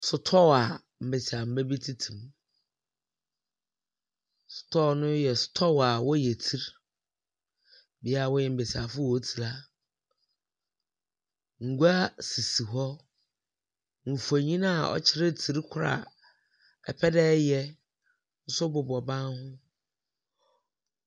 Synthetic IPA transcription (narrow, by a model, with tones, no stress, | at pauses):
sʊ˨tʰɔ˦wa˨ | m̩˨be˨sa˨m̩˨bɛ˦bi˦tʰi˦tʰũ˨m | sʊ̥˨tʰɔ˦˨nʊ̃˦jɛ˨sʊ̥˨tʰɔ˦wa˨wɔ˦jɛ˨tʰi˦ɾ | bi˨˦a˦a˨wɔ˦jɛ˨m̩˨be˨sa˨fʊ˦wɔ˨˦tʰi˨la˦ | ŋ̩˨ɡu˦a˦si˨si˨ɦɔ˦ | m̩˨fu˨a˨ɲĩ˦nã˦˨ɔ̰˦t͡ɕʰɪ˦ɾɪ˦tʰi˦ɾkʰʊ˦ɾa̰˨ | ɛ̰˨pʰɛ˦dɛː˦jɛ˦ | n̩˦sʊ˦bʊ˨bɔ˨bã˦nhʊ̃˦